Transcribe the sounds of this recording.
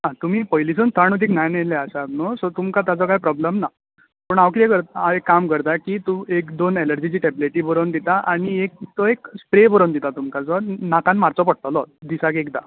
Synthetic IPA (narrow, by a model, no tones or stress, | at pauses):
ɦãt̪um̤iːpɔjlisənt̪ʰaɳ̃ut̪iknajnelɛəsat̪nɔsɔt̪umkat̪jat͡sɔkaɦipɾɔblemna | pəɳaʋkit̪ɛkəɾt̪aaekːamkəɾt̪akit̪uekd̪oneləɾd͡ʑit͡ɕiːʈebleʈibəɾond̪it̪aʔaɽ̃iek̚t̪ɔekspɾebəɾond̪it̪at̪umkat͡sɔnakãnmaɾt͡sɔpəɽt̪ɔlɔd̪isakekd̪a̰